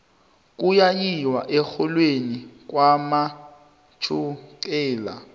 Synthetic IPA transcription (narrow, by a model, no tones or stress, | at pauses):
k̬ʼujajiwaʔɛxɔlwenik̬ʼwama | t͡ʃʰukɛːla̰